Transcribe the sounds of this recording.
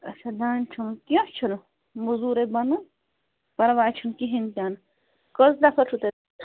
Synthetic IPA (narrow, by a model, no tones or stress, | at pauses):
ɐt͡ʃʰad̪aːnt͡ʃʰunkijõt͡ʃʰun | muzuːɾebɐnu | pɐɾʋaːt͡ʃʰunkiɦint̪ʲjaːn | kozd̪apʰɐʈ͡ʂʰut̪e